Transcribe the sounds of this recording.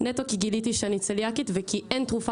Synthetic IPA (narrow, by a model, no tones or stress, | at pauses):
net̪okiɡilit̪iʃeanit͡seljakit̪vekient̪ʁufa